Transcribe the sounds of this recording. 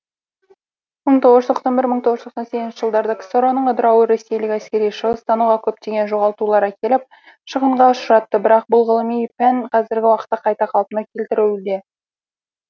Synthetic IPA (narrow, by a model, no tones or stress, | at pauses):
məɴt̪ʰo̞ʁəʒə̥t̪ʰoq̪sɑnbɪɾməɴt̪ʰo̞ʁəzt̪ʰosɑnsekʲɪnʃɪ̥ʒəlˠd̪ɑɾd̪ɑkʲʰsoɾonəɴəd̪əɾɑwəɾe̞sːe̞jlɪkæskʲe̞ɾijʃəʁəst̪ʰɑnuʁɑkʲʰɵp̚t̪e̞ɡʲe̞nʒo̞ʁɑlˠt̪ulˠɑɾækʲʰe̞lɪp̚ | ʃəʁəɴʁɑʊʃɾɑt̪ːəbɪɾɑq̚bʊlˠʁəlˠəmijpænqʰɑzɪɾɡʲɪwɑqət̪ːɑqʰɑjt̪ɑqʰɑlˠpənɑkʲʰe̞lt̪ɪɾɪwd̪e